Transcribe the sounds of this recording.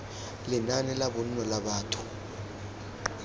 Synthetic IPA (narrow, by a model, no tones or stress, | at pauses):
lɛnanɛlaɓɔn̩nɔlaɓaːtʰu̥